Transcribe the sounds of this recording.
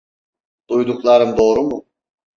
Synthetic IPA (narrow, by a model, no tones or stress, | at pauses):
d̪̥ujd̪uklˠaɾɯmd̪o̞ːɾumʊ